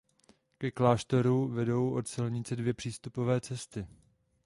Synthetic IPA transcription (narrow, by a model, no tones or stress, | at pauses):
kɛklaːʃt̪oɾuvɛdo̞wʔo̞t̪sɪlɲɪt͡sɛdvjɛpr̥iːst̪upo̞vɛːt͡sɛst̪ɪ